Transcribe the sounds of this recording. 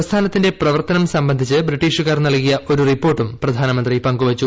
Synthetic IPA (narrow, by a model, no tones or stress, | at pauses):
ɐst̪ʰaːnɐt̪ːinde̞prɐʋɐrt̪ɐnɐmsɐmbɐnd̪ʱit͡ɕːɨbriʈːiːʂukaːrnɐɭkijɐʔo̞ɾuripːo̞ːrʈːumprɐd̪ʱaːnɐmɐnd̪ripɐŋɡuʋɐt͡ɕːu